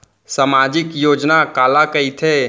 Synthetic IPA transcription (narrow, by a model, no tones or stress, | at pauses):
samad͡ʒɪkjoːd͡ʒnakaːlakəit̪ʰe